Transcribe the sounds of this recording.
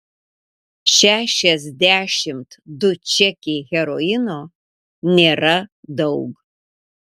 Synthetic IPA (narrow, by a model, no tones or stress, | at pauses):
ʃæʃɛzdʲæːʃɪmtʰdʊt͡ʃʰɛkʲehʲɛɾoɪno | nerɐdɐwɡ